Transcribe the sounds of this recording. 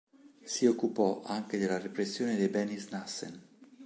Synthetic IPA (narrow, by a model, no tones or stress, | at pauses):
siokːupɔʔaŋk̟ed̪elːarepɾesːjoːned̪ebɛnisnasːḛn